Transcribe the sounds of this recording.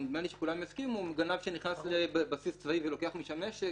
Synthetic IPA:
maliʃekulamjazkimuɡanavʃeniχnaslebbasist͡svaiveloke̞aχmiʃameʃ

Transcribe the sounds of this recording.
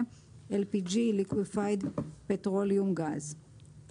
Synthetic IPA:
elpid͡ʒilikwifajdpet̪ʁoljumɡaz

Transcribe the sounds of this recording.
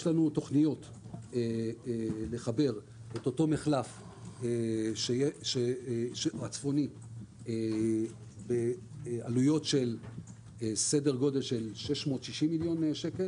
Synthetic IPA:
jeʃlanuto̞χnijo̞t | e | le̞χabe̞ʁ | eto̞to̞meχlaf | eʃeʃeʃeat͡sfo̞ni | e | bealujo̞tʃe̞l | se̞de̞ʁɡo̞de̞lʃe̞lʃe̞ʃmo̞ːtʃiʃimːiljo̞nʃeke̞l

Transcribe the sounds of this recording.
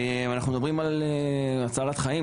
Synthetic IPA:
eanaχnumedabʁimaleat͡saːlat̪χai

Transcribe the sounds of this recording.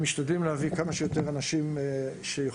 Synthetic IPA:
miʃt̪ad̪limlehavikamaʃejot̪e̞ʁanaʃimʃeje

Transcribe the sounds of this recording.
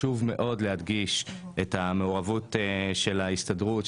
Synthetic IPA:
uvme̞ʔo̞dleɦad̪ɡiʃ | ethame̞oʁavuteʃe̞laistadʁut

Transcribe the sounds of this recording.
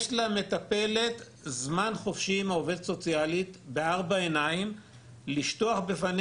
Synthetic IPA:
ʃlame̞t̪ape̞le̞t̪ | zmanχo̞fʃimaove̞d̪so̞t͡sijalit̪beaʁbaenaim | liʃtoaχbefan

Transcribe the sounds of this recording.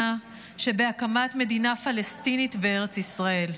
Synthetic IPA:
a | ʃe̞beakamat̪me̞dinafalestinitbee̞ʁet͡sisʁae̞l

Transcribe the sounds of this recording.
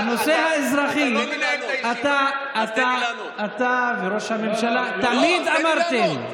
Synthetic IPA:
ano̞seɦaezʁaχi | at̪aː | t̪aː | t̪aveʁo̞ʃhamemʃalat̪amid̪amaʁt̪em

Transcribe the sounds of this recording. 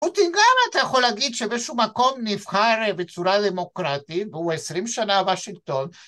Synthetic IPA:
put̪inɡamat̪ajaxo̞laɡid̪ʃebeʃumako̞mnivχaɾbet͡suɾad̪emo̞kɾat̪it̪veuesɾimʃanavaʃiŋɡ̚t̪o̞n

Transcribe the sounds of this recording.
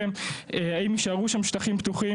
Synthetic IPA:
em | eaimiʃaʁuʃamʃtaχimpt̪uχi

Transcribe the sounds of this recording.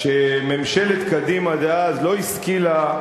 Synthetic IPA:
ʃememʃelet̪kad̪imad̪eazlo̞iskila

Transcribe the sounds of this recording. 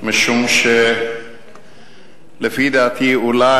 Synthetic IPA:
mɐʃumʃe | ləfiːd̪aːt̪ʰiːʊlaː

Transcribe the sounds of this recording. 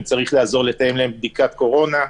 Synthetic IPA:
mt͡saʁiχlaːzo̞ʁle̞t̪aje̞mlaemb̚d̪ikat̪ko̞ʁo̞na

